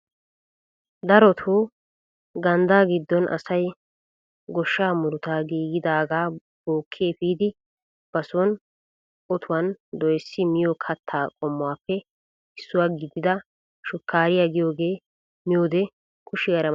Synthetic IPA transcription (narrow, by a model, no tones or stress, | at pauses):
d̪ɐɾɔt̪ʰu | ɡɐnd̪aːɡɪd̪ːɔnʔɐ̰sɐj | ɡɔʃːaːmʊɾʊt̪aːɡiːɡɪd̪aːɡaː | b̥oːkʰːeːpiːd̪ɪ | b̥ɐsʊwɔn | ɔt̪ʰʊwɐnd̪ɔjsːɪmɪjɔkʰɐt̪ʰːaːkʼɔmːɔwaːpːɛ | ɪsːʊwaːɡɪd̪ːɪd̪ɐ | ʃʊkʰːaːɾɪjaɡɪjo̞ːɡe̞ː | mɪjoːd̪ɛ | kʰʼʊʃɪɡɐɾɐ